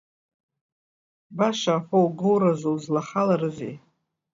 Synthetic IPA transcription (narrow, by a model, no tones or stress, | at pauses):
baʃaːħʷowɡɨwrazowzlaχalaɾɨzḛj